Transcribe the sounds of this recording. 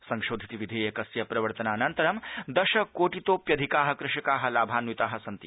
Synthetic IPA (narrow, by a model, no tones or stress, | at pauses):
sɐŋʃoːd̪ʱit̪iʋid̪ʱeːjɐkɐsjɐpɾɐʋɐɾt̪ɐnaːɐnɐnt̪ɐɾɐmd̪ɐʃɐkoːʈit̪oːpjɐd̪ʱikaːɦɐ̆kɾɪʃɐkaːɦɐ̆laːbʱaːnʋit̪aːɦɐ̆sɐnt̪ḭ